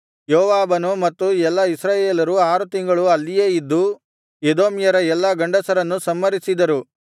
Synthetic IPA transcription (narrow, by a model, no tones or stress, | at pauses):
joːʋaːbɐnumɐt̪ːuɛlːɐisɾaːjeːlɐɾuaːɾut̪iŋɡɐɭuɐlːijeːid̪ːu | ed̪o̞ːmjɐɾɐɛlːɐɡɐɳɖɐsɐɾɐnːusɐmːɐɾisid̪ɐɾu